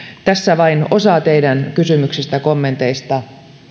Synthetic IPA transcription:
t̪æsːæʋɑino̞sɑt̪eidænkysymyksest̪ækomːe̞nt̪eist̪ɑ

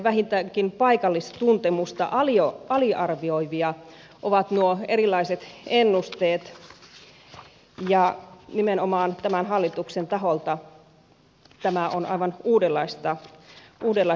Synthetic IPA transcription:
ʋæhint̪ækinpɑikɑlːist̪t̪unt̪emust̪ɑ̰ʔɑlioɑliʔɑrʋioiʋiɑ | ʔoʋɑt̪nuoeɾilːˑɑiset̪enːust̪eːt̪ | jɑnimenomɑːnt̪æmænɦɑlːit̪uksent̪ɑɦolt̪ɑ | t̪æmæʔonɑ̰iʋɑnuːdelːɑist̪ɑʔuːdelːɑ

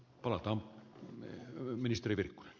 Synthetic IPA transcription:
pɑlɑt̪ɑːm | minist̪eriʋirkːu̥ne̥n

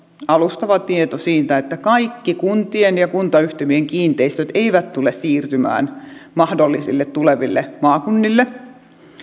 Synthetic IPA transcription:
ɑlust̪ɑʋɑt̪iet̪osiːt̪æet̪ːækɑikːikunt̪ienjɑkunt̪ɑyht̪emieŋkiːnt̪eist̪øt̪eiʋæt̪t̪ulessiːrt̪ymæ̰ːnmɑhdolːisilːet̪t̪uleʋilːḛmɑːkunːilːe

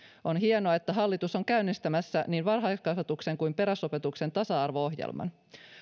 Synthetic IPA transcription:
ʔo̞nɦienoɑe̞t̪ːæɦɑlːit̪uso̞ŋkæynːist̪æmæsːæniːnʋɑrɦɑjkskɑsɑt̪ukse̞ŋkujmpe̞ɾæso̞pe̞t̪ukse̞nt̪ɑsɑɑrʋo̞oɦjḛlmɑ̰n

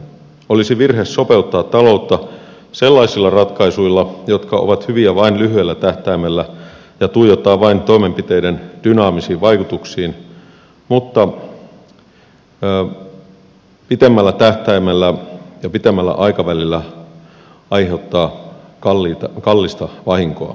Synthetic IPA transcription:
olisiʋirhesso̞pe̞ut̪ːɑːt̪ːɑlout̪ːɑ | selːɑisilːɑrɑt̪kɑisuilːɑjot̪kɑo̰ʋɑt̪hyʋiæʋɑinlyɦyelːæt̪æht̪æimelːæ | jɑt̪uijot̪ːɑːʋʋɑint̪o̞imempit̪eidend̥ynɑːmisiːʋʋɑikut̪uksiːn | mut̪ːɑ | pit̪emːælːæt̪æht̪æimelːæjɑpit̪emːælːæ̰ʔɑikɑʋælilːæ | ɑihe̞ut̪ːɑːkɑlːit̪ɑkɑlːist̪ɑʋɑhiŋkoɑ̰

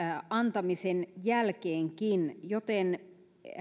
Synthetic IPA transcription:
ɑnt̪ɑmisenjælkeːŋkinjot̪en

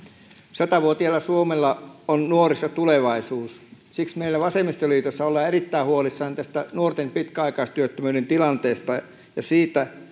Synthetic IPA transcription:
sɑt̪ɑʋuot̪iɑlːɑsuomelːɑonnuorisːɑt̪uleʋɑisuːs | siksmeilːæʋɑsemist̪oliːt̪osːɑolːɑːerit̪ːæihuolisːɑːnt̪æst̪ænuort̪empit̪kæɑikɑist̪yøt̪ːømyːɾent̪ilɑnt̪eːst̪ɑ | jɑsiːt̪æ

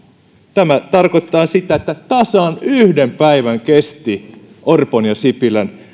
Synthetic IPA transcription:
t̪æmæt̪ɑrkot̪ĕt̪ˑɑːnsit̪æet̪ːæt̪ɑsɑːnyhdempæiʋæŋkest̪i | ʔorponjɑsipilæn

